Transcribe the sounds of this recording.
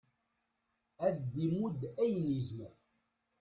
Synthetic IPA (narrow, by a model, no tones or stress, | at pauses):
æðd̪imud̪æjnizməɾ